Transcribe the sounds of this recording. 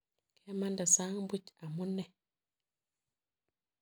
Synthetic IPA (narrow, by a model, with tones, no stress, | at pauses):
kʰe˦ma˦nda˨sa˦ŋbu˦t͡ʃa˨mu˦nɛ˨